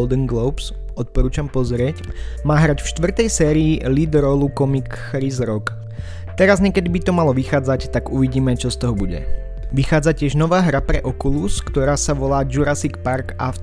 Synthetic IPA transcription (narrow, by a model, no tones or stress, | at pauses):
ld̪ɛŋɡlɔʊps | ɔt̪̚pɔɾuːt͡ʃampɔzɾɪɛcmaːɦɾacfʃt̪ʋr̩t̪ɛjsɛːɾiːlid̪ɾɔlukɔmikː | ɾizɾɔk | t̪ɛɾazɲɛkɛd̪ibit̪ɔmalɔʋixaːd͡zact̪aɡuʋiɟiːmɛt͡ʃɔst̪ɔɦɔbuɟɛ̰ | ʋixaːd͡zacɪɛʒnɔʋaːɦɾapɾɛʔɔkuluskt̪ɔɾaːsaʋɔlaːd͡ʒuɾasikpaɾkaf